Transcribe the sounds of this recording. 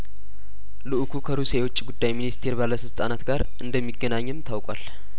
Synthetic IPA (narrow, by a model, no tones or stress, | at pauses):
lɨʔkʰukʰəɾusewʊt͡ʃʼːiɡud̪ːajminist̪ʰe̞ɾbalːəsɨlt̪ʼanat̪ɡaɾʔɨnd̪əmːiɡːənaɲːɨmt̪ʰawkʼa̰l